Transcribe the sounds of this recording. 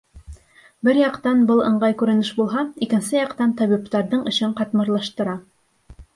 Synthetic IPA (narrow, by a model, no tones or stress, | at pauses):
bɘɾjɑqt̪ɑnbɤlˠɤ̰̆ɴɢɑjkʉɾɘ̆nɘʃbulˠɦɑikɘ̆nsɘjɑqt̪ɑnt̪ɒβipt̪ɑɾðɤɴɵ̆ɕɘɴqɑt̪mɤ̆ɾlˠɑʃt̪ɤ̆ɾɑ